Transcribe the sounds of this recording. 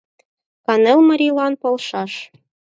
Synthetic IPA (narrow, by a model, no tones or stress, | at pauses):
kɑnɤlmɤ̆ɾʲilˠɑnpŏlˠʃɑʃ